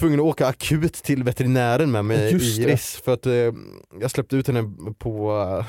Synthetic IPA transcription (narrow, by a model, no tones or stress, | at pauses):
vɵŋːənɔoːkaːkʰʉ̟ːt̪ʰːɪlvɛt̪ɛɾɪnæːɾənmɛmɛjɪɾɪsfœɾat̪ | jɑːɡslɛp̚t̪əʉːt̪hɛnːəpʰɔ